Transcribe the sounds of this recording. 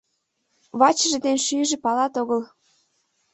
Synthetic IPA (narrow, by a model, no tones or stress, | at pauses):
βɑt͡ɕəʒed̪enʃyʒĕpɑlɑt̪oɣəl